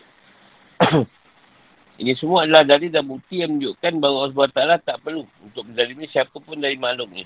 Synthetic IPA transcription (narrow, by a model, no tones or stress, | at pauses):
ḭnisəmuadəladadidabut̪ijaŋmə̃ɲd͡ʒʊʔkanbauas̬buat̪alat̪aʔpərluunt̪ʊk̚məd͡ʒalimĩsiapapʊndaɾimalʊknḭ